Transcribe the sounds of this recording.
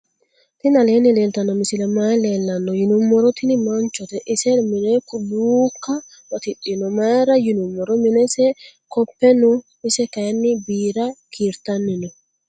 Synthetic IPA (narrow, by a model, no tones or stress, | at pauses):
t̪ɪnɐleːnɪleːlt̪ɐnːɔmɪsɪlɛmaːleːlːɐnːɔjɪnʊmːɔɾɔt̪ɪnɪmant͡ʃɔt̪ɛʔɪsɛɾmɪnɛkʊduːkːɐ | wɐt̪ɪɗɪnɔmaːɾɐjɪnʊmːɔɾɔmɪnɛsɛkɔpːɛnɔ | ɪsɛkɐɐnːɪbiːɾakʰiɾt̪ɐnːɪnɪ